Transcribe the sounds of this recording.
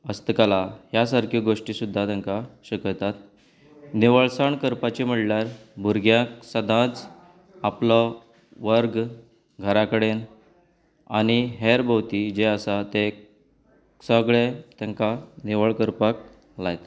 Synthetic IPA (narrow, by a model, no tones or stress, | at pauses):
əst̪əkalaɦjasəɾkʰjiɡoʂʈisud̪ʱːat̪jãŋkaɕəkət̪at̪ | neʋəɭsaɳkəɾpat͡ɕim̤əʈljaɾbʱuɾɡjaksəd̪ʱãt͡s | aplɔ | ʋəɾɡ | ɡʱəɾakəɽen | a̰ɽ̃iɦeɾbʱəʋt̪id͡ʑeəsat̪e | səɡɭet̪jãŋkaneʋəɭkəɾpak̚ | lajt̪